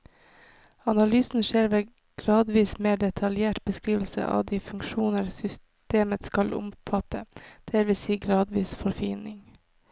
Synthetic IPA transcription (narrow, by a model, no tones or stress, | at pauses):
ɑnɑlyːsn̩ʃeːɾʋeː | ɡ̥ɾɑːd̪ʋiːsmeːɖɛt̪ʰɑljeːʈbəskɾiːʋl̩sə̰ʔɑ̰ːʋd̪iːfʉŋʃuːnəɾsʏs | t̪eːmət̪skɑlʔʊ̰mfɑt̪ʰəd̪̥eːɾʋɪsiːɡɾɑːd̪ʋiːsfɔɾfiːnɪŋ